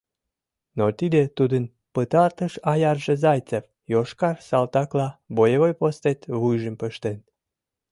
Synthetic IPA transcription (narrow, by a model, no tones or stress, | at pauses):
not̪id̪et̪ud̪ən | pət̪ɑrt̪əʃɑjɑrʒezɑjt͡sef | joʃkɑrsɑlt̪ɑklɑbojeβojpost̪et̪βujʒəmpəʃt̪en